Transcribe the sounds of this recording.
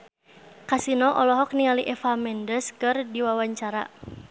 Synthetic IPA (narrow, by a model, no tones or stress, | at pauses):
kasinɔʔɔlɔɦɔk̚niŋaliʔɛfamɛndəskɨrdiwawaɲt͡ʃaɾa̰